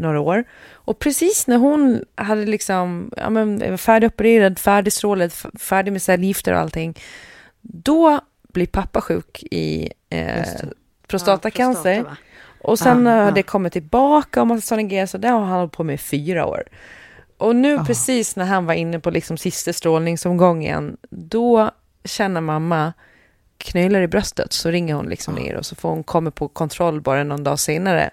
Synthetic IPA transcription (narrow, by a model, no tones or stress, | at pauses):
noːɾaoːɾ | ʔɔpʰɾɛsiːsnæɾɦʊnɦad̪ːəlɪksɔmɑ̰ːmən̰fæːɖɪɔpəɾeːɾad̪fæːɖɪst̪ɾoːləd̪fæːɖɪɡmɛsɛljɪft̪ə̰ɾɔ̰a̰lt̪ʰɪŋː | d̪ɔ | b̥lɪɾpʰapːaɧʉ̟ːkʰɪ̰ | pʰɾʊst̪ɑːt̪akʰansəɾ | ʔɔsɛnhad̪əɛkʰɔmːɪt̪ʰːɪlbɑːkaɔmat̪sɔnɛɡesɔd̪ɛhahanhɔl̚pʰoːmɛfyːɾa̰o̰ːɾ | ʔɔnʉ̟ːpʰɾɛsiːsnæɾɦanvaɾɪnːəpʰɔlɪksɔmsɪst̪əst̪ɾoːlnɪŋsɔmɡɔŋːɪjɛ̰nːd̪ɔ | ɕɛnːəmamːa | kʰnœːlaɾɪbɾœst̪ə̰t̪sɔɾɪŋːəɾhʊnlɪ̰ksɔmnḛːɾɔ̰sɔfoːɾhʊnkʰɔmːapʰɔkʰɔnt̪ʰɾɔlːbɑːɾanɔnd̪ɑːseːnaɾə̰